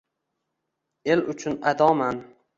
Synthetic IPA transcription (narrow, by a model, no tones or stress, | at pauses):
e̞lʊt͡ʃʰʊnad̪ɒman